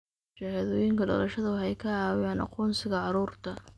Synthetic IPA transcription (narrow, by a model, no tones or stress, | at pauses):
t͡ʃaːhɐðɔːjɪŋkʰɐɖɔ̰lɐʃɐðɐwħɛjkʰɐaːwjɐnɑ̰qɔːnsɪɣɐʕɑɾuːrt̪ʰɐ